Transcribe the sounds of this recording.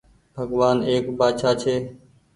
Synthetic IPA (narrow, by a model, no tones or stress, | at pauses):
bʱəɡʋaːneːkbaːt͡ʃʰaːt͡ʃʰeː